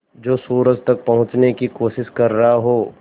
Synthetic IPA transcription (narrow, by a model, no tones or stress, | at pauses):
d͡ʒoːsuːɾəd͡ʒt̪ɐk̚pɐɦʊ̃t͡ʃnekikoːʃɪʃkɐɾːɐɦaɦoː